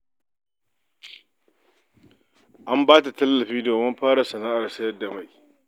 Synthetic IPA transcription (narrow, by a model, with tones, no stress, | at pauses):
ʔa˦mbaː˦ta˨tɐ˦lːɐ˨ɸi˦do˨mɐ˦mɸaː˦ɾa˨sɐ˨naː˦ʔa˨ɾsa˦jɐ˦dːa˨ma˨j